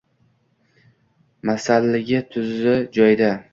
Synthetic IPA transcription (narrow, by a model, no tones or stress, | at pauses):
masalːɪɡʲat̪ʰʊzɪd͡ʒɒjd̪a